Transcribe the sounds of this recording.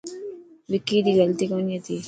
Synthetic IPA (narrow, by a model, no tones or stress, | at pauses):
ʋikiːd̪iɡɐlt̪ikɐnjɐt̪i